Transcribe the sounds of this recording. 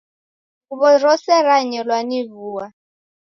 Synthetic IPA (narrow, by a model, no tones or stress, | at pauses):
uβɔrɔsɛɾaɲɛlwaniβuːwa